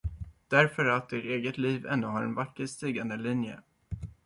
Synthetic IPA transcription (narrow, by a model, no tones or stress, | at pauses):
d̪̥æɾfœɾat̪̚d̪ɪːʈeːɡət̪liːvɛ̰nːɵɦaɾɛ̰nvakːəst̪iːɡand̪əlɪnjə̰